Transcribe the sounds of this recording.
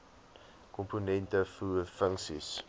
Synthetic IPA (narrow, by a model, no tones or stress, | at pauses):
kɔmponɛntəfuːfəŋksḭs